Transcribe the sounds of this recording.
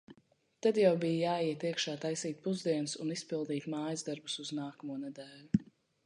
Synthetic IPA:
t̪ad̪jawbijjaːjiɛt̪iɛkʃaːt̪ajsiːt̪̚puzd̪iɛnsunispilˠd̪iːt̪maːjzd̪aɾbusuznaːkɐmuɔnɛd̪ɛːlʲu

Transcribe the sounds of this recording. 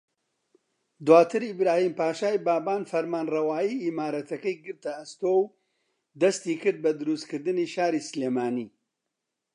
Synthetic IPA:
d̪waːt̪ʰɨɾibɾaːhiːmpaːʃaːjbaːbaːnfɐɾmaːnrɐwaːjiimaːɾɐt̪ʰɐkɐjɡɨɾt̪ɐɐst̪oːw | d̪ɐst̪iːkɨɾd̪̚bɐd̪ɨɾust̪kɨɾd̪ɨniʃaːɾisɨleːmaːniː

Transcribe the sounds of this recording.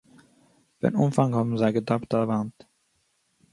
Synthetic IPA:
vɛ̰numfaŋhɔbm̩zaɪɡədaptaləvant

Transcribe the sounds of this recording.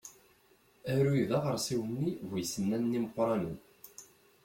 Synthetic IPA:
æɾuiðɑʁəɾˤsiwənːivujsənːænːiməqʷːɾˤɑnən

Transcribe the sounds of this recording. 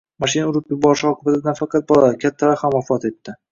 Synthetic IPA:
maʃɪnaʊɾɪpjʊbɒɾɪʃɒqʰɨbat̪afɑqʰɑt̪̚bɒlˠakʲʰat̪ʰːalahamwafɒt̪e̞t̪ʰːɪ

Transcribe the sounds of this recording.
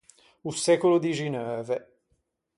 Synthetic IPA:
usɛkolod̪iʒinɛœvɛ

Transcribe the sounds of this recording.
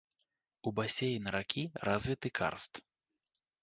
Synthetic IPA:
ubasʲejinɐɾakʲʰirazʲvʲit̪ɨkʰa̰rst̪

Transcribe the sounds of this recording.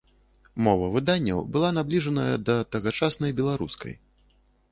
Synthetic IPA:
mɔvɐvɨd̪anʲːɐ̰wbɨlˠanablʲiʐɐnɐjɐd̪ɐt̪ɐɣat͡ʂasnɐjbʲɛlˠaɾṵskɐ̰j

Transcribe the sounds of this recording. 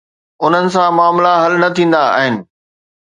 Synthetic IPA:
ʊn̤ənɪ̆sãmaːmlaɦɐlnɐt̪ʰĩːn̆d̪aa̰ːɦɪnɪ̆

